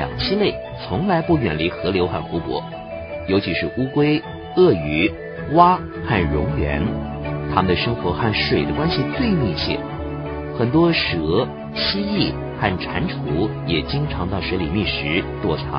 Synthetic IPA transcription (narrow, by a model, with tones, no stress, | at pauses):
jɑ̰˨˩ŋt͡ɕʰi˥ne˥˩ɪ | t͡sʰʊ˧˥ŋla˧˥ɪpu˥˩ɥɛ̰˨˩nli˧˥xɤ˧˥ljo˧˥ʊxa˥˩nxu˧˥pwɔ̰˧˥ | jo˧˥ʊt͡ɕʰi˧˥ʂɻ̩˥˧ʔu˥kwe˥ɪ | ɤ˥˩y˧˥ | wa˥ | xa˥˩nɻʊ˧˥ŋɥɛ̰˧˥n | t̪ʰa˥mə˨nd̪ə˩ʂɤ˥ŋxwɔ˧˥xa˥˩nʂwe˨˩ɪd̪ə˦kwa˥nɕi˨t͡swe˥˧ɪmi˥˧t͡ɕʰjɛ̰˥˩ | xə˨˩nt̪wɔ˥ʂɤ˧˥ | ɕi˥i˥˩ | xa˥˩nʈ͡ʂʰa˧˥nʈ͡ʂʰu˧˥jɛ˨˩t͡ɕi˥ŋʈ͡ʂʰɑ˧˥ŋt̪ɑ˥˩ʊʂɤ˧˥li˨˩mi˥˩ʂɻ̩˧˥t̪wɔ˥˩ʈ͡ʂʰɑ̰˧˥